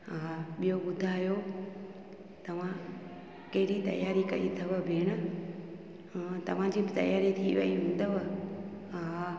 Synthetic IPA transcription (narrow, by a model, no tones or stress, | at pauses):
ɦaɓijoɓʊd̪ʱaːjo | t̪ɐʋ̤ã | kɐɦɪɾit̪ɐ̰jaːɾikɐit̪ʰɐʋəbʱeːɽ̃ə | t̪ɐʋ̤ãd͡ʑiːbɪt̪ɐ̰jaːɾit̪ʰiʋɐ̰iɦʊ̃n̆d̪əʋ | ɦa